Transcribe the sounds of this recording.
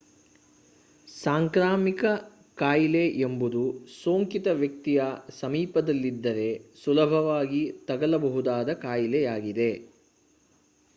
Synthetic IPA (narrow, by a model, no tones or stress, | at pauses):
saːŋkɾaːmikɐ | kaːjileʔembud̪usoːŋkit̪ɐʋjɐk̚t̪ijɐsɐmiːpɐd̪ɐlːid̪ːɐɾe̞sulɐbʱɐʋaːɡit̪ɐɡɐlɐbɐɦud̪aːd̪ɐkaːjilejaːɡid̪e̞